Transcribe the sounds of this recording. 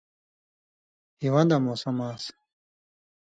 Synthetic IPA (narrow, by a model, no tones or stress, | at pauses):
hiwɐ̃nd̪ɐmoːsɐmaːs